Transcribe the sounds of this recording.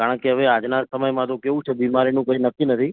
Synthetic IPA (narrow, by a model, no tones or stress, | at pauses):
kaɽə̃keɦəʋead͡ʒnasəməjmãt̪okeʋũt͡ʃʰebimaɾinũkəinəkʰinət̪ʰi